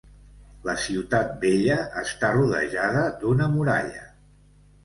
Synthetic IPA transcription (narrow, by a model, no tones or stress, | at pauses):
ləsiwt̪at̪̚beʎəʔːst̪aruðə̰ʒaðəd̪unəmuɾa̰ʎə